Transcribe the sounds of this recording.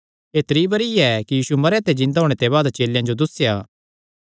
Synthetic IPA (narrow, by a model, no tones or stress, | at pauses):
eːt̪ɾiːbɐɾiɛkijiːsumɐɾeat̪ed͡ʒɪ̃nd̪aɦoːɽ̃et̪eβaːd̪t͡ʃeːljãd͡ʒod̪ʊsːjaː